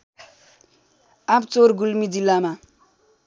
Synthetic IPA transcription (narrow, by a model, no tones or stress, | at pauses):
apt͡soɾɡulmid͡zilːama